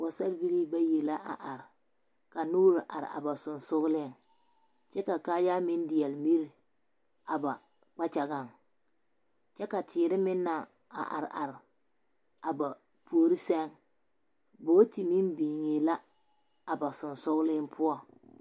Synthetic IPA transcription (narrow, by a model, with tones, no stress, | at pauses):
wa˨sa˦lbi˦li˦ba˦je˨la˦ʔa̰˨ʔa˨ɾɪ˨ | ka˨nuː˦ɾɪ˨ʔa̰˨ɾɪ̰˨a̰˨ba˨sʊ˨nsʊ˦ɣlɪ˦˨ŋ | t͡ʃɛ˦ka˨kaː˦ja˦mɪ˦n˦dɪ˨jɛ˨lmi˦ɾi˨ | a˨ba˨ | k͡pa˦t͡ʃa˨ɡa˦˨ŋ | t͡ʃɛ˦ka˨tʰɪː˨ɾɪ˦mɪ˦nːa˨ | a̰˨ʔa̰˨ɾɪ˨ʔa˨ɾɪ˨ | a˨ba˨ | pʰu˨o˨ɾi˦sɛ˦ŋ | boː˦ti˨mi˦mbiː˨ŋe˨la˦ | a˨ba˨sʊ˨nsʊ˦ɣlɪ˦ŋpʰʊ˦a˨